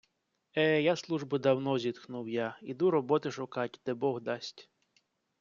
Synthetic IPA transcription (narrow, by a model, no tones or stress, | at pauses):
ɛjaslˠuʒbʊd̪ɐwnɔzʲid̪xnuwjaid̪uɾɔbɔt̪ɪʃʊkɑtʲd̪ɛbɔɦd̪ɑsʲtʲ